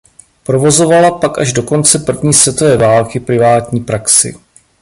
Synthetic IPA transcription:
pɾo̞vo̞zo̞valapakʔaʒdo̞ko̞nt͡sɛpr̩vɲiːsvjɛt̪ovɛːvaːlkɪpɾɪvaːt̪ɲiːpɾaksɪ̰

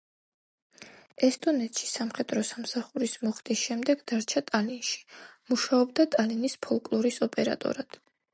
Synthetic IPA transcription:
ɛst̪ʼɔnɛt̪ʃi̥samχɛd̪ʼɾɔsamsaχuɾismɔχt̪ʼisʃɛmd̪ɛɡ̥d̪̥aɾt͡ʃʰat̪ʼalinʃi̥muʃaɔbd̪at̪ʼalinispʰɔlˠkʼlˠɔɾisɔpʼɛɾa̰t̪ʼɔ̰ɾad̪̥

